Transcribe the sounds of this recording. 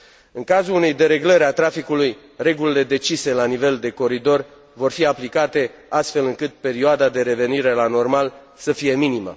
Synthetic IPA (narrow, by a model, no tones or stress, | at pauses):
ɨŋkazulune̞jd̪e̞ɾe̞ɡləɾat̪ɾafikuluj | re̞ɡulile̞d̪e̞t͡ʃise̞lanive̞ld̪e̞ko̞ɾid̪o̞r | vo̞rfiaplikat̪e̞ast̪fe̞lɨŋkɨt̪̚pe̞ɾioad̪ad̪e̞ɾe̞ve̞niɾe̞lano̞rmal | səfije̞minimə̰